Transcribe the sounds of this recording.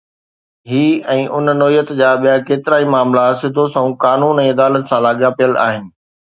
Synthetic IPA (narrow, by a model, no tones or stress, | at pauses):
ɦiːɛ̃ːʔʊnnoːijət̪d͡ʑaːɓijakeːt̪ɪɾaːimaːmlasɪd̪ʱosɐ̃ũkaːnuːnɛ̃ːɐd̪aːlət̪sãlaːɠjapijəla̰ːɦɪnɪ̆